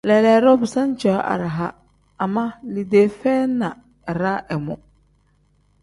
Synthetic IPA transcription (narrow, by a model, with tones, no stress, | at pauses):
lɛ˨lɛ˨˦ɾɔ˦bɪ˨sã˦n˦t͡ʃɔ˨a˦ʔa̰˨ɾa˨ɦa˦ | a˨ma˦li˨deː˨fɛː˦nã˨ | ɾa˦ʔɛ˨mʊ˨